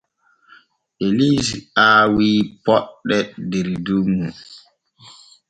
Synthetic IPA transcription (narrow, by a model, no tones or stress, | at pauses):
ʔeliziaːwiːpɔɗːɛdeɾidumːu